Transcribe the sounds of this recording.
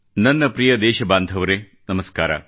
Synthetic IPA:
nɐnːɐpɾijɐd̪eːʃɐbaːnd̪ʱɐʋɐɾeː | nɐmɐskaːɾa̰

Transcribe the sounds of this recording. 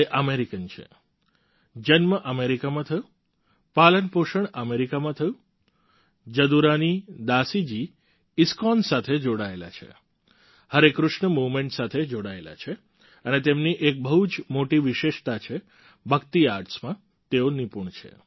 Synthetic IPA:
eʔəmeɾikənt͡ʃʰḛ | d͡ʒənməʔəmeɾikamãt̪ʰəjũ | palənpoʃəɳəmeɾikamãt̪ʰəjũ | d͡ʒəd̪uɾanid̪asid͡ʒi | ɪskɔnsat̪ʰed͡ʒoɽaela̰t͡ʃʰḛ | həɾekɾʊʃɳəmuʋmẽɳʈsat̪ʰed͡ʒoɽaela̰t͡ʃʰe | ənet̪emniʔek̚bəɦud͡ʒmoʈiʋɪʃeʃt̪at͡ʃʰe | bʱək̚t̪iaɾʈsmã | t̪eonipuɳt͡ʃʰḛ

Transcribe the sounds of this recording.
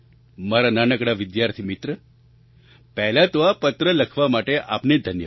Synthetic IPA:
maɾananəkɽaʋɪd̪jaɾt̪ʰimɪt̪ɾə | pɛɦlat̪oʋapət̪ɾələkʰʋamaʈeʔa̰pned̪ʱənjə

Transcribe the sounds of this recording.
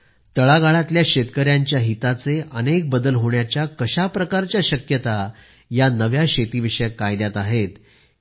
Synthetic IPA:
t̪əɭaɡaɭat̪ljaɕet̪kəɾjaɲt͡ɕjaɦit̪at͡seʔənek̚bəd̪əlɦoɳjat͡ɕjakəɕapɾəkaɾt͡ɕjaɕəkjət̪a | janəʋjaɕet̪iʋiʂəjakajd̪jat̪aɦet̪

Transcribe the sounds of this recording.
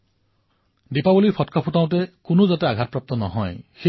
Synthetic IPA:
depabɔlipʰɔtkʰɔpʰutaw̃t̬ekunuzateaɡʱat̚pɾap̚t̪ɔnɔɦɔjxe

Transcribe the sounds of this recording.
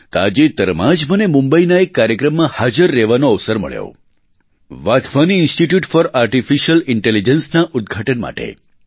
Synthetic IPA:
t̪a̰d͡ʒet̪əɾmãd͡ʒbʱənemũmbəinaekːaɾjəkɾəmːãhad͡ʒəɾːɛʋanoəʋsəɾmə̰ɭjo̰ | ʋat̪ʰʋaniːnsʈiʈjuʈfɔɾaɾʈifiʃəlɪɳʈelid͡ʒənsnaʔud̪̚ɡʱaʈənma̰ʈḛ

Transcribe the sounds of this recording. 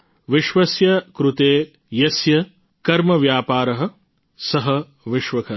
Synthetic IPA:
ʋiʃʋɐsjɐkɾut̪eː | jɐsjɐ | kɐɾmɐʋjaːpaːɾɐɦɐ̆ | sɐɦɐ | ʋiʃʋɐkʰɐ

